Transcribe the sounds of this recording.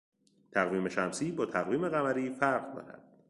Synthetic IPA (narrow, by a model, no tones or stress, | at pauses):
t̪ʰæɣviːme̞ʃæmsiːbɒːt̪ʰæɣviːme̞ɣæmæɾiːfæɾɣk̪ʰo̰næ̰d̪̥̚